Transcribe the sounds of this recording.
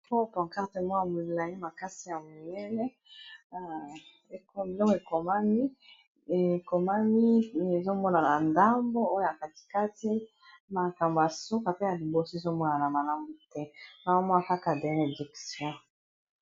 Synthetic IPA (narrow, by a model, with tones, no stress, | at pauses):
po˦pã˨ka˦te˨mɔ˦ja˨mo˨la˨ji˦ma˨ka˦si˨ja˨mo˨nɛ˦nɛ˦ | e˨ko˨e˨lɔ˦ke˨ko˨ma˦mi˦˨ | ko˨ma˦mi˦e˨zo˦mɔ˦na˨na˨nda˦mbo˦o˦jo˦ja˨ka˨ti̥˦ka˦ti˦ | ma˨ka˨mbo˨ja˨su˦ka˨pe˦ja˨li˨bo˨so˦e˨zo˦mɔ˦na˨na˨ma˨la˦mbo˨tɛ˦na˨a˦mɔ˦a˨ka˦ka˨de˨ne˨di˨ksjɔ̃˦